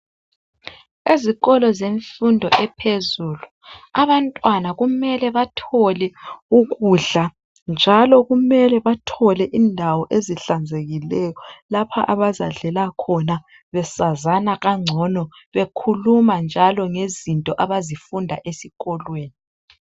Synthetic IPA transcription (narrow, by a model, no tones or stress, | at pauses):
eziɣɔlɔzeɱfundʱɔʔɛpʰezuːlu | aβantʼwanaɣumɛlɛβatʰɔlɛuɣuɮa | nd͡ʒʱalɔɣumɛlɛβatʰɔlɛʔiːndʱawɔʔeziɬand͡zʱeɣilɛjɔlapʰaʔaβazaɮɛlakʰɔna | βɛsazanaɣaŋ͡ǀʱɔnɔβekʰulumand͡ʒʱalɔŋezintʼɔʔaβazifundʱa̰ʔesiɣɔlweːni